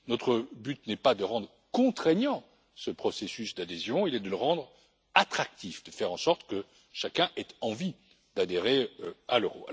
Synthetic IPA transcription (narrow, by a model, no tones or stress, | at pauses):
not̪χəbyt̪nɛpad̪əʁɑ̃d̪ʁ | kɔ̃t̪χeɲɑ̃ | səpχɔsesysd̪ad̪ezjɔ̃ilɛd̪ələʁɑ̃d̪ʁ | at̪χak̚t̪ifd̪̥əfɛʁɑ̃sɔʁt̪kə | ʃakʲɛ̃ʔɛt̪ɑ̃vi | d̪ad̪eʁeøaløʁoa̰l